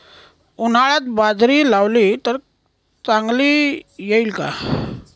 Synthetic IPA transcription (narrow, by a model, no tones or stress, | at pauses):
un̤aɭat̪bad͡zʱɾiːlawliːt̪əɾ | t͡saŋɡliːjeilka̰